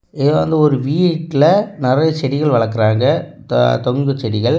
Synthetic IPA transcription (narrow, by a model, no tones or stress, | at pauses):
ɪðʋɐ̰nd̪ɐɔɾɯʋiːʈːlɐnɪɾɐjɐt͡ʃɛɽɪɣɐɭʋɐɭɐkːɯɾaːŋɡɐ | t̪ɔŋɡ̪ɯt͡ʃːɛɽɪɣɐɭ